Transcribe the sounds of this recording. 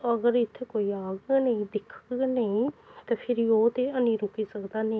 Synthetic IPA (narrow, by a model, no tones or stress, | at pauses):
əɡəɾɪt̪ʰːeːkoːiːaːɡnəĩːd̪ɪkʰnəĩːt̪eːpʰɪɾioːt̪eːənĩːɾʊkiːsəkd̪aːneː